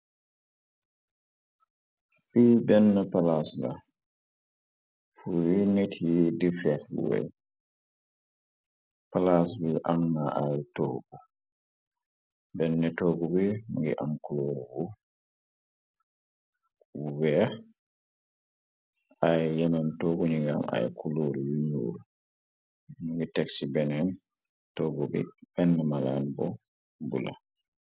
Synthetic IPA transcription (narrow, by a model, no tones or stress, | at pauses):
fiːbɛnːɛpalasla̰ | fuwinetʰijidifɛl̰wɛ̰j | palasbiʔamːaajtɔɡba | bɛnːɛtɔɡɔbɛŋɡɛʔamkuloːɾɛwɔ | uwɛ | ajjɛnantoːɡuɲiŋɡama̰jkuloɾiwiɲo̰ːɾu | nuŋɡitɛksibɛnɛn | tɔɡɔbḭbɛnːɛmalanbɔ̰ | bṵla̰